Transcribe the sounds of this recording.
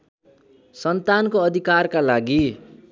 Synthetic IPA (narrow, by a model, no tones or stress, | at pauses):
sʌnt̪ankoʌd̪ʱikarkalaɡi